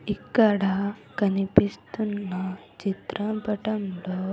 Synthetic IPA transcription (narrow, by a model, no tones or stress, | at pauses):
ikːɐɽakɐnipist̪unːa | t͡ʃit̪ɾapɐʈɐmɖo